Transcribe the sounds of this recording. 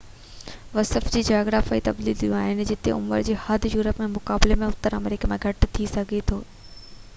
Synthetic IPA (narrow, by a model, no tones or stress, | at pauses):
ʋɐsəfd͡ʑiːd͡ʑaːoɡɾaːfait̪ɐblid̪ijũaːɦɪnɪ̆d͡ʑɪt̪eʊ̰mə̰ɾd͡ʑeːhad̪ʱjuːɾəpmẽmʊkaːblemẽʊt̪əɾə̰mɾɪkəmẽɡʱɐʈt̪ʰisɐɡʱet̪ʰoː